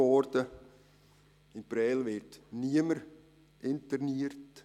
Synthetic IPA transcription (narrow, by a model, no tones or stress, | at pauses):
ɔɾdə | ɪnpɾɛːlʋɪɾtniəməɾ | ʔɪnt̪əɾniəɾt